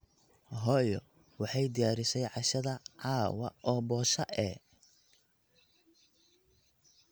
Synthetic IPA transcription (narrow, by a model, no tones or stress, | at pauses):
ɦɔːjɔ | wɑħɑjd̪ɪjaːɾɪʃɛjʕɑʃɐðɐʕɑːwɐ̰ʔɔːbɔːʃɐʔɛ